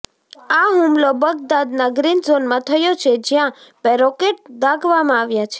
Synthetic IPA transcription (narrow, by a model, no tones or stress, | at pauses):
aɦũmlobəɡd̪ad̪naɡɾinzonmãt̪ʰəjot͡ʃʰed͡ʒjãbɛɾɔkeʈ̚d̪aɡʱʋamãaʋjat͡ʃʰe̥